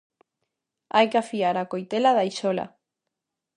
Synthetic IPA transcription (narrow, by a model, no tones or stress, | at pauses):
ajkafiaɾakojt̪elaðaijʃola̰